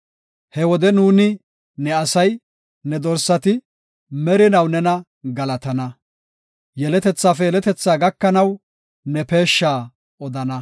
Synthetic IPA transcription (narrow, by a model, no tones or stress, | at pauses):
hɛwɔd̪ɛnuːnɪ | nɛɐsɐj | nɛd̪ɔɾsːɐt̪ɪ | mɛɾɪnɐwnɛnɐ | ɡɐlɐt̪ɐnɐ | jɛlɛt̪ɛt͡sːaːfɛjɛlɛt̪ɛt͡sːaːɡɐkːɐnɐw | nɛpe̞ːʃːaː | ʔɔd̪ɐnɐ